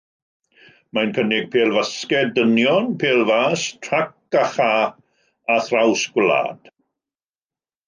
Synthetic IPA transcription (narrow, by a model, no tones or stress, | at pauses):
majnkʰənɪɡ̚pʰeːlˠvaskɛdənjɔnpʰeːlˠvaːstʰrak̚aχa | aθrawsɡ̥wla̰ːd̥